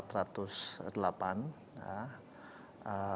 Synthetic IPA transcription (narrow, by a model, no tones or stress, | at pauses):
t̪ɾat̪usdəlapan | a | ə